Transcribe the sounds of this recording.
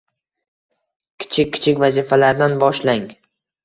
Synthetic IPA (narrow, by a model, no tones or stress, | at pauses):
kʲʰɪ̥t͡ʃʰɪkʲːɪ̥t͡ʃʰɪkʲvazifalaɾd̪anbɒʃlaŋ